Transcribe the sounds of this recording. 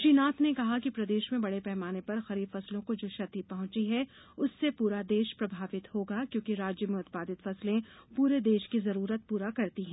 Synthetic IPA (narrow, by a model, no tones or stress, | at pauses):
ʃiːnaːt̪nekɐɦakipɾɐd̪eːʃmẽbɐɽepɛɦmaːnepɐɾxɐɾiːbfɐslõkod͡ʒoːʃɐt̪ipɐɦʊ̃t͡ʃiɦɛ | ʊsːepuːɾad̪eːʃpɾɐbʱaːʋɪt̪hoːɡakjõːkiɾaːd͡ʒjəmẽʊt̪̚paːd̪ɪt̪fɐslẽpuːɾed̪eːʃkizɐɾuːɾət̪̚puːɾakɐɾt̪iɦɛ̃ː